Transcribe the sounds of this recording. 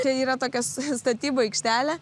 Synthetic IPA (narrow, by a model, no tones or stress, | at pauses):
t͡ʃʲɛiːɾɐt̪oːkʲɛsst̪ɐt̪ʲiːboːɛɪkʃʲt̪ʲæːlʲɛ